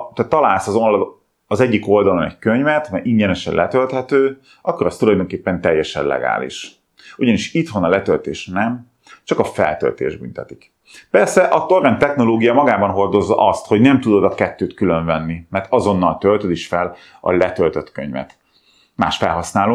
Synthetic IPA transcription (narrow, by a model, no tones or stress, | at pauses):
t̪aːt̪ːɒlaːlsɒzol | ɒzɛɟːiko̞ld̪ɒlo̞nɛ̰ɟkøɲvɛt̪mɛjʔiɲɟɛnɛʃɛ̰lʔɛt̪ølt̪hɛt̪øː | ʔɒkːoɾɒst̪ulɒjd̪o̞ŋkeːpːɛnt̪ɛjːɛʃɛ̰nlɛ̰ɡa̰ːlḭʃ | uɟɒniʃit̪honɒlɛt̪ølt̪eːʃnɛm | t͡ʃɒkɒfɛ̰lt̪ø̰lt̪ḛːʒby̰nt̪ɛt̪ik | pɛrsɛʔɒt̪orːɛnt̪ːɛxno̞loːɡijɒmɒɡaːbɒnɦo̞rd̪o̞zːɒ̰ʔɒst̪ho̞ɟnɛmt̪ud̪o̞d̪ɒkɛt̪ːøːt̪kyløɱvɛnːimɛrt̪ɒzo̞nːɒlt̪ølt̪ød̪iʃfɛl | ɒ̰lɛt̪ølt̪øt̪kø̰ɲvɛ̰t̪ | ma̰ːʃfɛlɦɒsnaːloː